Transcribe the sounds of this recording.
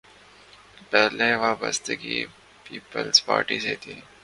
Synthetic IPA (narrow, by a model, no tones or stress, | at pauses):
pɛːlẽʋaːbəst̪əɡi | piːpəlspa̰ːɾʈizeːt̪ʰiː